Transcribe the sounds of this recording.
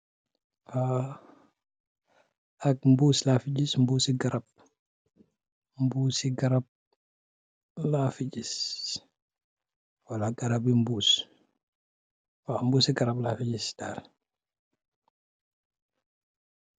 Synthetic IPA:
a | ak̚mbuːslaːfiɟismbuːsiɡaɾab̚ | mbuːsiɡaɾab̚ | lafiɟis | walaɡaɾabimbuːs | wambuːsiɡaɾablafiɟisdaːl

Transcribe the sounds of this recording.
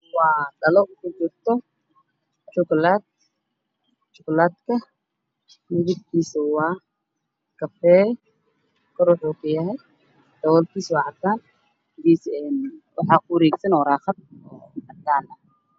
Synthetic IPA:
wɑːdɐlɔkʰʊt͡ʃɪrt̪ʰɔ | t͡ʃɔklaːd̪̚ | t͡ʃɔklaːd̪kʰɐ | nʊβʊd̪kʰiːsʊwɑː | kʰɐfɛː | kʰɔɾwʊħuːkʰɐjɐɦɛj | d̪ɐwɔːlkʰiːswɑʕɑt̪ʰːaːn | ɪɡiːsɛːnwʔɑħɑːkʰʊɾɛːɡsɐnɔːɾaːχɐd̪̚ɔːɑd̪aːnɐ

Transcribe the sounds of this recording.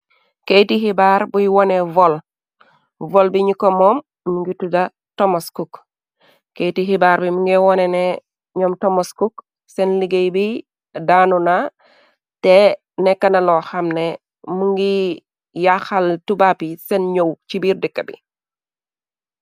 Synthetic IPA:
kejtiɦibaːɾbujwɔnevɔl | vɔlbiɲikomɔːm | muŋɡituda | tomoskuk | kejtiɦibaːɾbimuŋɡɛwɔnɛnɛ | ɲɔːmtomoskuk | sɛnliɡejbi | daːnuna | tɛ | nɛkːɐnɐlɔxɐmne | muŋɡi | jaxaltubapisɛnɲowt͡ʃibiːrdikːɐbḭ

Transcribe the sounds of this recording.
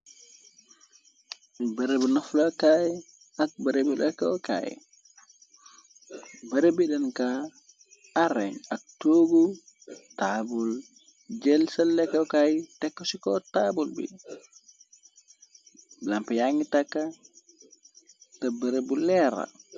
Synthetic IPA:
bɐɾebunɐflɐkaj | ɐk̚bɐɾebilɛkawka̰ːjḭ | bɐɾebidɛnka | aɾɛɲak̚toːɡu | tabul | d͡ʒɛlsɐlːɛkːɐwkajitɛkːɔsikɔtabulbḭ | lampijaŋitakːa | tɐbɐɾebulɛɾa̰

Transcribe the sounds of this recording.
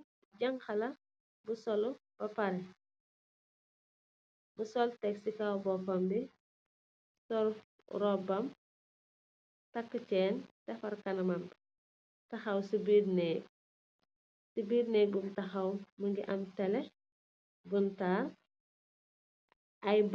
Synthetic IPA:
ɟɐŋxɐlɐ | busɔlub̥ɐpɐɾɛ | busɔltɛksikawbɔfɐmbi | sɔɾ | ɾɔbɐm | tɐkːət͡ʃɛːntɛfɐrkɐnɐmɐm | tɐxɐwsibiːrnɛ | sibiːrnɛːbumtɐxɐwmɐŋɡiʔɐmtɛlɛ | buntaːr | ʔɐj

